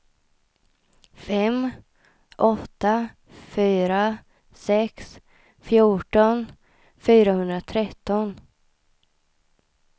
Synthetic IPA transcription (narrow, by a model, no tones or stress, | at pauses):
fɛm | ʔɔt̪ːa | fyːɾa | sɛks | fjuːʈɔn | fyːɾahɵnd̪ɾat̪ʰɾɛt̪ːɔn